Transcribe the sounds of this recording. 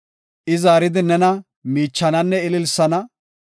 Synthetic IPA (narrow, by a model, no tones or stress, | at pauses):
ʔɪzaːɾɪd̪ɪnɛnɐ | miːt͡ʃːɐnɐnːɛɪlɪlsɐnɐ